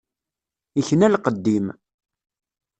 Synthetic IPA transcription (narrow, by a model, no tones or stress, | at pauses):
içnælqəd̪ːim